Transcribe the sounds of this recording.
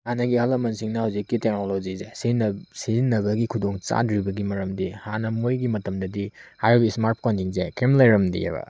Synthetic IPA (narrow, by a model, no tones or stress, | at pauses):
anɐɡihɐlɐmɐnsiŋnɐhawzikːitek̚nolod͡ʒizesinsizinːɐbɐɡikʰudoŋt͡ʃa̰dɾibɐɡimɐɾɐmdihanɐmojɡimɐtɐmdɐdihajɾobismaɾp̚kontiŋzekemlejɾɐmdḭḛbɐ̰